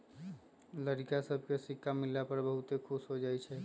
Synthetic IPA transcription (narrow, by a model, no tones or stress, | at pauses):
ləɾikasəb̚ʱkesikʰːamilːapəɾbəɦut̪ekʰusɦod͡ʒajt͡ʃʰɛ